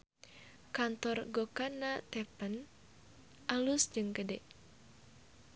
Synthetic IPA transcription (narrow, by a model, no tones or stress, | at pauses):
kant̪ɔrɡokanat̪ɛpən | ʔalusd͡ʒɨŋkədɛ